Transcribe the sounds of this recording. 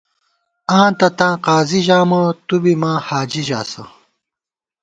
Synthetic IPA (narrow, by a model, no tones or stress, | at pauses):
ãːt̪ɐt̪ãːqaːziʑaːmɐt̪ubimãːhaːd͡ʑiʑa̰ːsɐ